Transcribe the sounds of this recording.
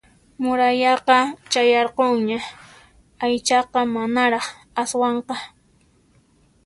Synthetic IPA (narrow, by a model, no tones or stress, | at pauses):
mʊɾajɑqɑt͡ʃajɑɾqoŋɲa | ajt͡ʃɑqɑmanaɾɑχ | aswɑɴqɑ